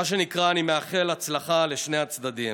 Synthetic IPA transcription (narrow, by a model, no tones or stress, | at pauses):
aʃ̬e̞nikʁaːnimeaχe̞lat͡slaχale̞ʃne̞jat͡sd̪ad̪im